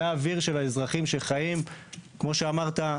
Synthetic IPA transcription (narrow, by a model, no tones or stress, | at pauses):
aːviʁʃe̞laezʁaχimʃeχajimkmo̞ʃeamaʁt̪a